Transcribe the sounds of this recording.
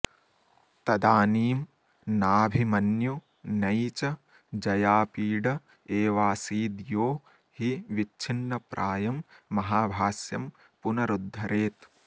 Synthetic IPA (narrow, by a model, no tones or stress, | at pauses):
t̪ɐd̪aːniːm | naːbʱimɐnju | nɐjt͡ʃɐ | d͡ʒɐjaːpiːɖɐ | eːʋaːsiːd̪joː | hiʋit͡ʃʰinːɐpɾʔaːjɐmːɐɦaːbʱaːsjɐm | punɐɾud̪ʱːɐɾeːt̪